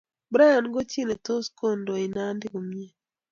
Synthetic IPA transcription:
bɾa˦a˨nɡo˦t͡ʃi˦˨ne˨to˦sko˦˨ndo˨i˨na˦ndɪ˦ko˨mi˦e˦

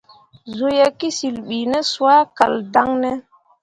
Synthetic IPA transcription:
zo˨ja˨ki˦si˨lɓi˨nɛ˦su˨a˦ka˨lda˦ŋnɛ˦

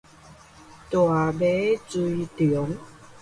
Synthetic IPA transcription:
t̪wa˨˩be˦t͡su˧jt̪y˨˦ə˦ŋ

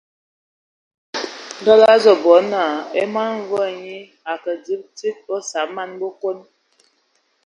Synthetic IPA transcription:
n˨dɔ˦la˦zɔ˨bɔ˨˦na˨e˦ma˦n˦vɔ˦˨ɲi˦ | a˨kə˨d͡zi˦p̚ti˦t̚ɔ˦sa˨˦p̚ma˦nbo˦ko˦n

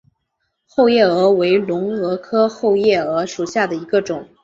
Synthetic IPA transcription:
xo˥˧ʊjɛ˥˩ɤ˧˥we˧˥ɪlʊ˧˥ŋɤ˧˥kʰɤ˥xo˥˧ʊjɛ˥˩ɤ˧˥ʂu˨˩ɕja˥˩d̪ə˩i˧˥ɡə˧ʈ͡ʂʊ˨˩˦ŋ

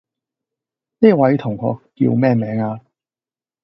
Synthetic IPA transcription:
niː˥wɐ˨˥jt̪ʰʊ˨˩ŋkʰɔ̰ː˧kːḭ˧wmɛː˥˩mɛː˨˥ŋaː˧

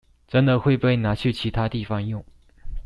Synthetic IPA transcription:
ʈ͡ʂə˧˥nd̪ə˨xwe˥˧ɪpe˥˩ɪna˧˥t͡ɕʰy˥˩t͡ɕʰi˧˥t̪ʰa˥t̪i˥˩fɑ˧˥ŋjʊ˥˩ŋ

